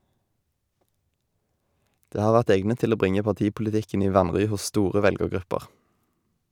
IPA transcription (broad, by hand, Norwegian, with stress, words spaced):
ˈdeː ˈhɑːʁ ˈʋæʁt ˈɛɡnət ˈtɪl ˈoː ˈbʁɪŋə pɑˈtiːpʊlɪˌtɪkn̩ ˈiː ˈʋɑnʁʏ ˈhʊs ˈstuːʁə ˈʋɛlɡəʁˌɡʁʉpəʁ